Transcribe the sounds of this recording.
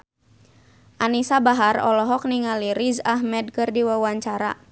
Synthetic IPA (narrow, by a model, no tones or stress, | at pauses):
ʔanisabaɦarɔ̰lɔɦɔk̚niŋaliɾizaɦmɛd̚kɨrdiwawaɲt͡ʃaɾa̰